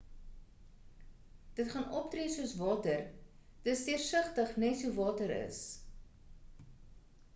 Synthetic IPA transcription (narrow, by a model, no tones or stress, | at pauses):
d̥ətχɑnɔp̚treːsuəsvɑːtərd̥əstiərsəχtəχnɛtsɦuvɑːtəɾə̰s